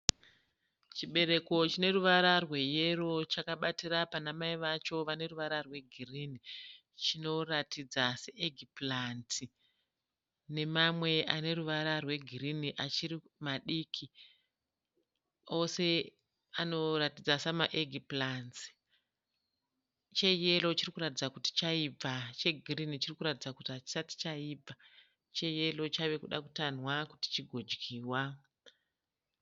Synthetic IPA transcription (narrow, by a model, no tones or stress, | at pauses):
t͡ʃiɓe̞ɾe̞ko̞t͡ʃine̞ruʋaɾarwe̞je̞ro̞t͡ʃakaɓatirapanamaiʋat͡ʃo̞ʋane̞ruʋaɾarwe̞ɡʱirini | t͡ʃino̞ratid͡zaseʔeɡʱiplanti | ne̞mamwe̞ʔane̞ruʋaɾarwe̞ɡʱiriniʔat͡ʃiɾi | maɗikʰi | o̞se̞ | ano̞ratid͡zasamaʔeɡʱiplanzi̥ | t͡ʃe̞je̞lo̞t͡ʃirikuɾatid͡zakuti̥t͡ʃaib͡vat͡ʃe̞ɡʱirinit͡ʃirikuɾatid͡zakutiɦat͡ʃi̥sati̥t͡ʃaiːb͡va | t͡ʃe̞je̞lo̞t͡ʃaʋe̞kuɗaku̥tanwakuti̥t͡ʃiɡʱo̞d͡ʒɡiːwa